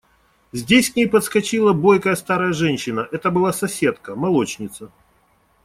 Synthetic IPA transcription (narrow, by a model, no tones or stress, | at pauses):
zʲdʲesʲknʲejpət̪skɐt͡ɕilˠəbo̞jkəjəst̪aɾəjəʐɛnʲɕːɪnəʔɛt̪əbɨlˠasɐsʲe̞t̪kəmɐlˠo̞t͡ɕnʲɪt̪sə